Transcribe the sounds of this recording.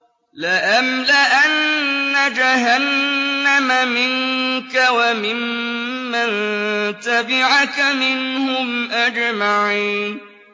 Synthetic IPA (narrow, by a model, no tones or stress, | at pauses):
lɪʔamlɪʔanːad͡ʒaɦanːamamɪnkawamɪmː | ant̪abɪʕakamɪnhʊmʔad͡ʒmaʕiːn